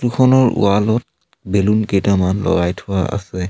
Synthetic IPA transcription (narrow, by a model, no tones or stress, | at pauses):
tukʰɔnɔɹṵalɔt̚ | belunkejtamanlɔ̰ɹajtʰuwaa̰sɛ